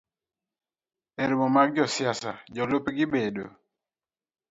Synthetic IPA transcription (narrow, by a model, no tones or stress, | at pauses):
eɾimɔmaɡ̚d͡ʒɔsjasa̰d͡ʒɔlopɡɪbedo̰